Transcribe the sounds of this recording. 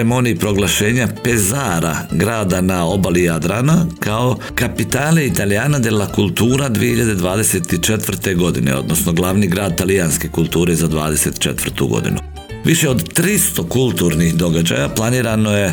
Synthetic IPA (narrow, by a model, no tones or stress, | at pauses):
emo̞niipɾo̞ɡlˠaʃe̞ːɲape̞zaɾaɡɾaːd̪anao̞balijad̪ɾanakao̞ | kapit̪aːleit̪alijaːnad̪jelakulˠt̪uːɾad̪ʋiehiʎad̪e̞d̪ʋaːd̪e̞set̪it͡ʃet̪ʋr̩t̪e̞ɡo̞d̪inḛo̞̰d̪no̞sno̞ɡlˠaʋniɡɾaːd̪t̪alijanske̞kulˠt̪uːɾe̞zad̪ʋaːd̪e̞se̞t̪i̥t͡ʃḛt̪ʋər̩ɾt̪ṵɡo̞̰d̪ḭnṵ | ʋiʃe̞o̞d̪t̪ɾist̪o̞kulˠt̪uɾnixd̪o̞ɡad͡ʑa̰japlˠaniːɾanoje̞